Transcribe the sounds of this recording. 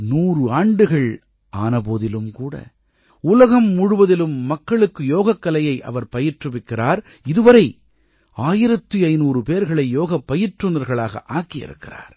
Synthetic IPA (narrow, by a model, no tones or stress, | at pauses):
nuːrɯaːɳɖɯɣɐɭ | ʔaːnɐpoːðɪlɯmkuːɽɐ̰ | ʊlɐɣɐmːʊɽʊʋɐðɪlɯmːɐkːɐɭɯkːɯjoːɣɐkːɐlɐjɐɪʔɐ̰ʋɐɾpɐjɪʈrɯʋɪkːɪɾaːɾ | ɪðɯʋɐɾɐɪ | aːjɪɾɐt̪ːɯɐɪnuːrɯpeːɾɣɐɭɐɪjoːɣɐpːɐjɪʈrɯnɐɾɣɐɭaːɣɐ̰ʔaːkːɪjɪ̰ɾɯ̰kːɪra̰ːɾ